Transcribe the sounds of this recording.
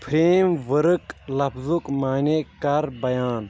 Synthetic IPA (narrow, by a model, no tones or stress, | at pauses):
pʰɾeːmʋəɾɨklɐfzukmaːnekɐɾbɐjaːn